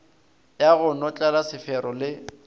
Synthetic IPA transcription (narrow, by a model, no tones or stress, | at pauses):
jaɣʊnɔt͡ɬʼalasɪfɛɾɔlɪ